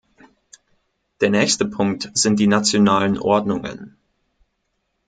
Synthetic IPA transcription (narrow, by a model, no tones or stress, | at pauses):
d̥eːɐnɛːçstəpʰʊŋk̚tz̥ɪnt̚d̥iːnat͡sjonaːlənʔɔɐdnʊŋə̰n